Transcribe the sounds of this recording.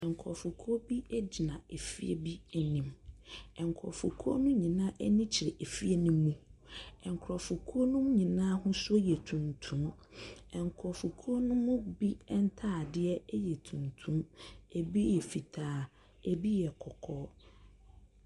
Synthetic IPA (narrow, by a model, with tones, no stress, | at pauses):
ɛ̃˨ŋ˨kʰɔ˨fʊ˨kʰu˦o˦bi˦ɛ˦d͡ʑi˨nã˨e˨fi˦ḛ˦bi˦ɛ˨nĩ˨˦mɛ̃˨ŋ˨kʰɔ̰˨fu˨kʰu˦o˦nʊ̃˦ɲĩ˨nãː˦ʔɛ˦nĩ˦t͡ɕʰɪ˨ɾe˨ʔe˨fi˦e˦nʊ̃˦mũ˦ɛ˨ŋ˨kʰɾɔ˨fʊ˨kʰu˦o˦nʊ̃˦m˦ɲĩ˨nã˦hʊ̃˦sʊ˦o˦jɛ˨tʰũ˨ntʰũ˦mɛ˨ŋ˨kʰɔ˨fu˨kʰu˦o˦nʊ̃˦mʊ̃˦bi˦ɛ˦n̩˦tʰaː˦˨dɪ˦ɛ˦ɛ˦jɛ˨tʰũ˨ntʰũ˦e˨bi˦jɛ˨fi˨tʰaː˨˦ | e˨bi˦jɛ˨kʰɔ˨kʰɔ˦